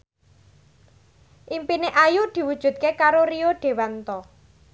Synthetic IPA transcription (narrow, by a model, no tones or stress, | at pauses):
ʔimpineʔajud̪̥i̤wud̥ʒ̥ṳt̪̚kekaɾoɾioɖ̥e̤want̪ɔ